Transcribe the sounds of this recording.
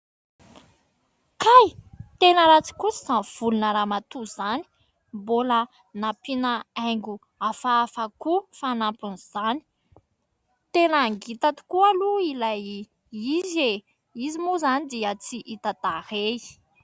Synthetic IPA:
kajt̪enəɾat͡si̥kusi̥zanv̥ulunəɾamat̪uz̥ani̥ | bolə | napinəajŋɡu | afaːfakufanampunz̥ani̥ | t̪enaŋɡit̪at̪i̥kualuilaj | ize | izimuzanid̪iət͡siʔit̪ad̪ahe

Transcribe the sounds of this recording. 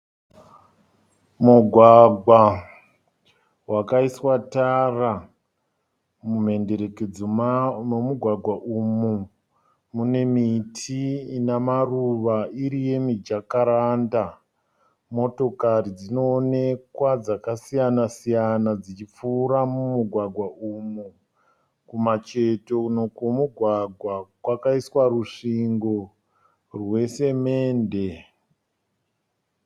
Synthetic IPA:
muɡʱwaɡʱwa | wakaiswatara | mum̤e̞nde̞ɾe̞ked͡zoomuɡʱwaɡʱwaʔumu | mune̞mitʰinamaruʋaiɾije̞mid͡ʒakaɾanda | mo̞to̞karid͡zino̞ːne̞kwad͡zakasijanasijanad͡zit͡ʃip͡fuːɾamumuɡʱwaɡʱwaumu | kumat͡ʃe̞to̞uno̞komuɡʱwaɡʱwakwakaiswaɾuʂiŋɡo̞ | rwe̞se̞me̞ːnde̞

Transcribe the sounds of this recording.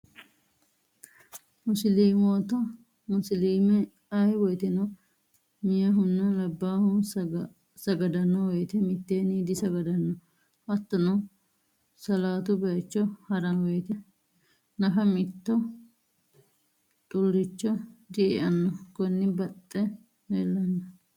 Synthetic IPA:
mʊsliːmoːt̪ɐ | mʊsliːmɛ | ɐjwɔjt̪ɛnɔ | mɪjɐɦʊnːɐlɐbːaːhʊ | sɐɡɐd̪ɐnːɔwɔjt̪ɛmɪt̪ːeːniːd̪ɪsɐɡɐd̪ɐnːɔ | hɐt̪ːɐnɔ | sɐlaːt̪ʊbɐt͡ʃːɔhɐɾɐwɔjt̪ɛ | nɐfɐmɪt̪ːɔ | t̪ʼʊlːɪt͡ʃːɔd̪ɪʔɪʔɐnːɔkɔnːɪbɐt̪ʼːɛ | ɛlːɐnːɐ

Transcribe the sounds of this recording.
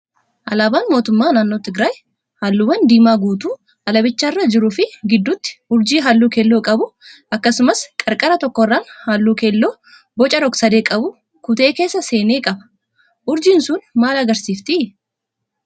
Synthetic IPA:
ʔɐlaːbaːnmo̞ːt̪ʊmːaːnaːnːo̞ːt̪ɪɡɾaːj | halːuːwɐnd̪iːmaːɡuːt̪uː | ɐlɐbɪt͡ʃːɐɪrːad͡ʒɪɾʊfɪɡɪd̪ːʊt̪ːɪ̥ʊɾd͡ʒiːɦalːuːkɛlːoːkʼɐbʊ | ɐkːɐsʊmɐskʼɐɾkʼɐɾɐt̪ɔkːɔrːaːnhaːlːuːkelːo̞ː | bɔt͡ʃʼɐɾɔksɐd̪e̞ːkʼɐbʊ | kʊt̪e̞ːke̞ːsːɐse̞ːneːkʼɐbɐ̥ | ʔʊɾd͡ʒɪnsʊnmaːlɐɡɐɾsiːft̪ɪ

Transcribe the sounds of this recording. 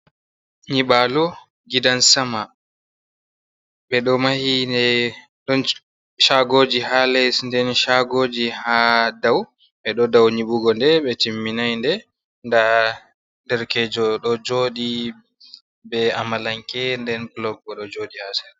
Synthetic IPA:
ɲiɓalɔ | ɡidansama | ɓɛɗɔmahinɛ | ɗɔn | ʃaɡoːd͡ʒihalɛsndɛnʃaɡoːd͡ʒihadaw | ɓɛɗɔdawɲiɓuɡɔndɛɓɛtimːinajndɛ | nda | ndɛɾkɛd͡ʒɔɗɔd͡ʒoːɗi | bɛa̰malaŋkɛndɛnplɔɡɔɗɔd͡ʒoɗihasɛ̥

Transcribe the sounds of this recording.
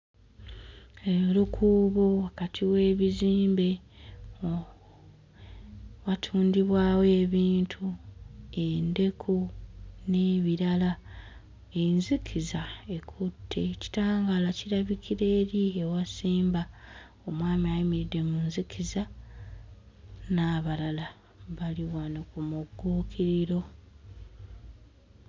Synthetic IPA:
eɾukʰuːβowakatʰiwe̞ːβiziːmbe̞ | watʰuːndiβwaːwe̞ːβiːntʰu | ende̞kʰune̞βiɾala | e̞nzikʰizae̞kʰutʰːe̞̰ci̥taːŋɡalaciɾaβikʰiɾe̞ːɾiewasiːmba | o̞mwaːmiajimiɾidːe̞munzikʰiza | naːβalala | βaliwanokumuɡːuːkʰiɾiɾo̞

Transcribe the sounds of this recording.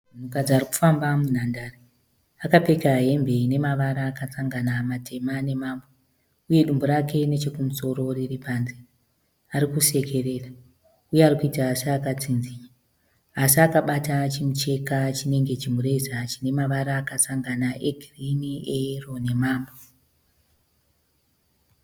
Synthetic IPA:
un̤ukad͡zaːriku̥fambamun̤andari | akape̞kaɦe̞mbe̞ine̞maʋaɾaːkasaŋɡanamatʰe̞mane̞maːmbo | uje̞ɗumboɾakʰe̞ne̞t͡ʃe̞kumuso̞ɾo̞riripanzi | aɾikuse̞kʰe̞re̞ːra | ujearikuitaːsiakat͡sinziɲa | asiakaɓatat͡ʃimut͡ʃe̞kat͡ʃine̞ŋɡe̞t͡ʃimuɾe̞zat͡ʃine̞maʋaɾaːkasaŋɡanaʔe̞ɡʱiriniero̞ne̞maːmbo

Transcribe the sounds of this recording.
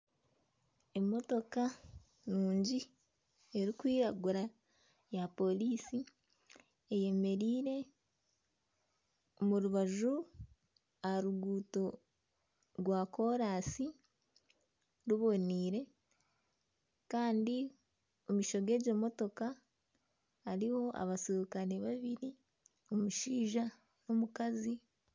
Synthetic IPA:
e̞mo̞to̞ka | nuːɲɟi | e̞ɾikwiːɾaɡuɾa | japo̞liːsi | eje̞me̞ɾiːɾe̞ | muɾuβaʒu | aɾuɡuːto̞ | ɾwako̞ɾaːsi | ɾuβo̞niːɾe̞ | kaːndi | omiːʃo̞ɡe̞ːɟo̞ːmo̞to̞ka | ɾiho̞ʔa̰βasokaneβaβiɾi | omuʃiːʒa | nomukazi

